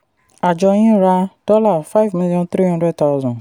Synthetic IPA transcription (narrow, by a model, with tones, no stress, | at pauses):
a˨d͡ʒɔ˧j̃ĩ˦ɾa˧˦d̥ɔ˦la˦˨fa˦˨vmi˦lijɔ̃˦nt̪ɾi˦ã˧dɾɛ˦˨d̚t̪a˧zɔ̃˨